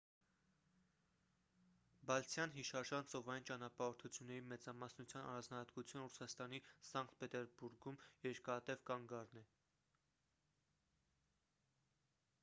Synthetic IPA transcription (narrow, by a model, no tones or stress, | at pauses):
bɑlt͡sʰjɑnɦiʃɑɾʒɑnt͡sɔvɑjint͡ʃɑnɑpɑɔɾt̪ʰut͡sʰjunːɛɾimɛt͡sɑmɑsnut͡sʰjɑnɑ̰ɾɑnd͡znɑhɑt̪kut͡sʰjunrusɑst̪ɑnisɑŋkt̪̚pɛt̪ɛɾbuɾɡumjɛɾkɑt̪ɛvkɑŋɡɑɾnɛ